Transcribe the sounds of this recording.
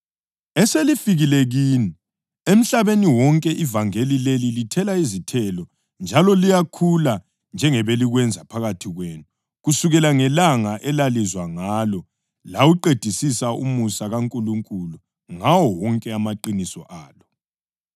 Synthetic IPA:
ɛselifiɣilɛɣiːni | em̩ɬaβeniwɔŋkʼɛʔivaŋelilelilitʰɛlaizitʰɛlɔ | nd͡ʒʱalɔlijakʰula | nd͡ʒʱɛŋɛβeliɣwɛnd͡zʱapʰaɣatʰiɣweːnu | ɣusuɣɛlaŋɛlaŋaʔɛlalizwaŋalɔ | lawuǃed̥ʱisisaṵmusaɣaŋkʼuluŋkʼulu | ŋawɔwɔŋkʼɛamaǃinisɔ̰ʔaːlɔ

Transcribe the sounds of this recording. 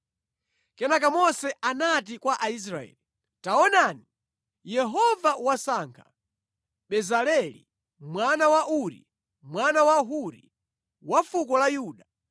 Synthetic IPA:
kɛnakamɔsɛʔanat̬ikwaʔais̬ɾaɛ̰ːli | taɔnani | jɛɦɔvawasaːŋkʰḁ | ɓɛzalɛlḭ | mwanawaʔuɾḭ | mwanawaɦuɾḭ | wafukɔlajuːɗa

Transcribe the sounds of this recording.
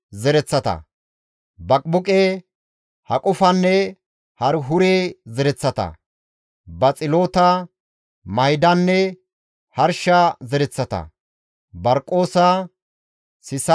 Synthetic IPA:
zɛɾɛt͡sːɐt̪ɐ̰ | bɐkʼbʊkʼe | hɐkʼʊfɐnːɛ | hɐɾɦʊɾeːzɛɾɛt͡sːɐt̪ɐ̰ | bɐt͡sʼɪlo̞ːt̪ɐ | mɐjd̪ɐnːɛ | hɐɾʃɐzɛɾɛt͡sːɐt̪ɐ̰ | bɐɾkʼːo̞ːsɐ | sɪs

